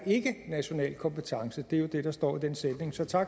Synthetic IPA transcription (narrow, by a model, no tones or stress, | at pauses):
e̝ɡ̥ənæɕo̝nɛ̰ːlkʰɒ̽mpʰət͡sʰɑ̈ŋsəd̥e̝ɐjo̝d̥e̝ɾ̥ɑ̈sd̥ɒ̰ːid̥ensed̥ne̝ŋsɒ̽t͡sʰɑ̈ɡ̥